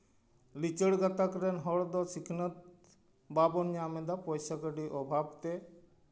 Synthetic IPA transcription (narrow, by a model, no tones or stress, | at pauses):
lit͡ɕeɽɡat̪akɾenɦɔɽd̪ɔsikʰnat̪̚ | babɔnjamed̪apojʃakaɖiʔɔbʱabt̪e